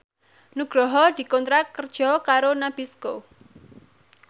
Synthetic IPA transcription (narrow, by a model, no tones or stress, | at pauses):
nuɡ̥ɾɔɦɔd̪̥i̤kɔnt̪ɾakːərd̥ʒ̥ɔ̤kaɾonab̥isko